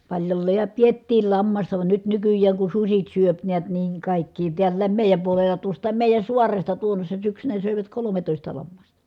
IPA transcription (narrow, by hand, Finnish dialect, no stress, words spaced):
pɑlʲjolːeːj jɑ pietːiːl lɑmːɑstɑ ʋɑn nyt nykyjːæːŋ kun susit syøp neæt niːŋ kɑˑikːiː tiælːæːm meˑi̯jæm puolelːɑ tuostˑɑːm meˑi̯jæn̞ suɑrestɑ tuonːosʲsɑ syksynæ søˑiʋæt kolometoˑistɑ lɑmːɑstɑ